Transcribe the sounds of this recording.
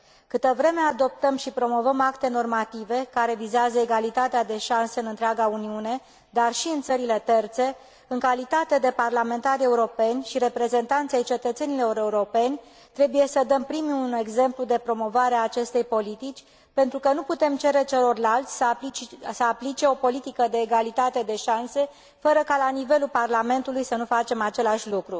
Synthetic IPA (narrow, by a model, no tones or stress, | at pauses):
kɨt̪əvɾe̞me̞ad̪o̞p̚t̪əmʃipɾo̞mo̞vəmakt̪e̞no̞rmat̪ive̞kaɾe̞vizeazəeɡalit̪at̪ead̪e̞ʃanseɨnɨnt̪ɾaɡauniune̞ | d̪arʃiɨnt̪səɾile̞t̪e̞rt̪se̞ | ɨŋkalit̪at̪e̞d̪e̞parlame̞nt̪aɾʲe̞uɾo̞pe̞nʲʃiɾe̞pɾe̞ze̞nt̪ant̪sejt͡ʃe̞t̪ət̪se̞niloeuɾeuɾo̞pe̞nʲ | t̪ɾe̞buje̞səd̪əmpɾimune̞ɡze̞mplud̪e̞pɾo̞mo̞vaɾeaːt͡ʃe̞st̪e̞jpo̞lit̪it͡ʃʲ | pe̞nt̪ɾukənuput̪e̞mt͡ʃe̞ɾe̞t͡ʃe̞lo̞rlalt̪sʲsəsəaplit͡ʃe̞o̞po̞lit̪ikəd̪e̞ːɡalit̪at̪e̞d̪e̞ʃanse̞ | fəɾəkalanive̞lulparlame̞nt̪ulujsənufat͡ʃe̞mat͡ʃe̞laʃʲlukɾu